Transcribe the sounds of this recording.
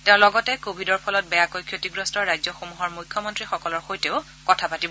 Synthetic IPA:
teʊ̃lɔɡɔtɛkobʱidɔɹpʰɔlɔt̚bɛjakojkʰjotiɡɹɔstɔɹɹajzɔxomuɦɔɹmujkʰːjɔmɔntɹixɔkɔlɔɹxojteʊ | kɔtʰapatibɔ

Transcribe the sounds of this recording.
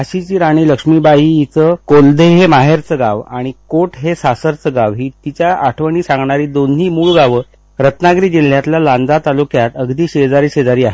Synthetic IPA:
aɕit͡ɕiːɾaɽ̃iːləkʂmiːbaɦijit͡səkold̪ʱeɦemaɦeɾt͡səɡaʋa̰ɽ̃ikoʈɦesasəɾt͡səɡaʋɦit̪it͡ɕjaaʈʰʋəɳ̃iːsãŋɡɳaɾiːd̪onːiːmuːɭɡaʋəː | ɾət̪naɡɾiːd͡ʑil̤ːjat̪laland͡z̪at̪alukjat̪əɡd̪iːɕed͡zaɾiːɕed͡zaɾiːaɦe

